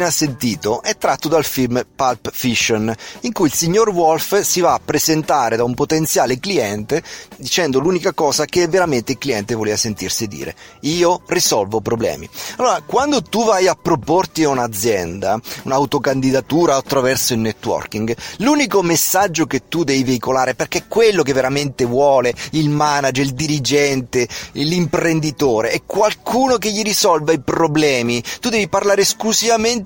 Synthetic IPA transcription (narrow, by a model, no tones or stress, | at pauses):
asːent̪iːt̪oʔɛt̪ːɾat̪ːod̪alfilmpalpfiʃːoniŋkuilsiɲːorwɔlfsivaːpːɾezent̪aːɾed̪aumpot̪ent̪sjaːlekliɛnt̪ed̪it͡ʃɛnd̪oluːnikakɔːsak̟eɛvːeɾament̪eilkliɛnt̪evoleːvasent̪irsid̪ḭːɾḛiːorisɔlvopɾoblɛ̰ːmḭalːoːɾakwand̪ot̪uvajapːɾoport̪iaunad̪zːjɛnd̪aunawt̪okand̪id̪at̪uːɾaːt̪ːɾavɛrsoilnːɛt̪ːwɔ̰rkiŋɡluːnikomesːad͡ʒːoket̪ːud̪ɛviveikolaːɾeperk̟eɛkːwelːok̬evːeɾament̪evwɔːleilmanad͡ʒeɾild̪iɾid͡ʒɛnt̪elimpɾend̪it̪oːɾeɛkːwalkʰuːnok̬eʎːiɾisɔlvaipɾoblɛːmit̪ud̪ɛviparlaːɾesklusivament̪